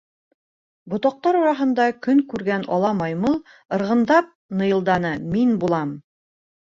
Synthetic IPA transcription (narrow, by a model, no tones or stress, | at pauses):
bŏt̪ɑq̚t̪ɑɾuɾɑɦɤ̆nd̪ɑkɵŋkʉɾɡænɒ̰lˠɑmɑjmɤlˠ | ɤ̆ɾʁɤ̆nd̪ɑp̚nɤ̆jɤ̆lˠd̪ɑnɤminbulˠɑm